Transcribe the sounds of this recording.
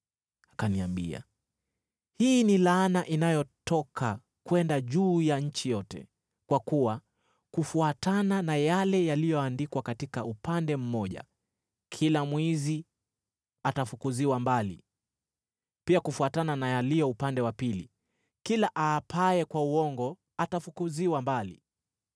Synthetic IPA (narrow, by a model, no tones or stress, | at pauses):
akaniambḭa̰ | hiːnilaːnaʔinajɔtɔkʰa | kwɛndaʄuːjaɲ̩t͡ʃijɔtɛ̰ | kwakuwa | kufuatananajalɛjalijɔandikwakatikaupandɛm̩mɔʄa̰ | kʰilamwɛzi | atafukuziwambalḭ | piakufuatananajalijɔupandɛwapilḭ | kilaʔaːpaɛkwauwɔŋɡɔ | atafukuziwambalḭ